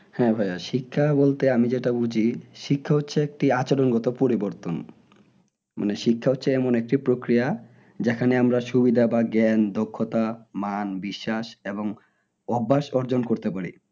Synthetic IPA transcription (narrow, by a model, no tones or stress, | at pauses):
hɛ̃bʱajaʃikʰːabolt̪eamid͡ʑeʈabud͡ʑʱiʃikʰːaotːɕʰeek̚ʈiat͡ɕaɾonɡɔt̪opoɾiboɾt̪on | ma̰neʃikʰːaotːɕʰeɛmonek̚ʈipɾokɾija | d͡ʑekʰaneamɾaʃubid̪ʱabaɡɛnd̪okʰːot̪amanbiʃːaʃeboŋ | ɔbːaʃɔɾd͡ʑonkoɾt̪epaɾḭ